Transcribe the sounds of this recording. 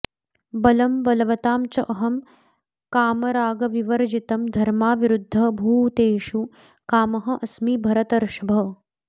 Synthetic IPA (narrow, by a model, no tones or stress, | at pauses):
bɐlɐmbɐlɐʋɐt̪aːmt͡ʃɐʔɐɦɐm | kaːmɐɾaːɡɐʋiʋɐɾd͡ʒit̪ɐmd̪ʱɐɾmaːʋiɾud̪ʱːɐbʱuːt̪eːʃu | kaːmɐɦɐ̆ʔɐsmibʱɐɾɐt̪ɐɾʃɐbʱɐ